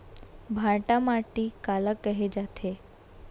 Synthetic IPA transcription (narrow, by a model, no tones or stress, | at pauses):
bʱaɾʈamaʈiːkaləkːəɦed͡ʑat̪ʰe